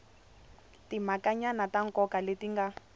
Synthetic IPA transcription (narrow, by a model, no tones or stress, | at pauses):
timakaɲanataŋ̩kɔkaletiŋɡa